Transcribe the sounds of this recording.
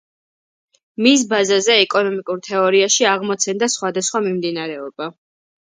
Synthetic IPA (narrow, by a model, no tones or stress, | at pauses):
mis̬bazazɛɛkʼɔnɔmikʼuɾt̪ʰɛɔɾiaʃiaʁmɔt̪sʰɛnd̪asχwad̪asχwamimd̪inaɾɛɔba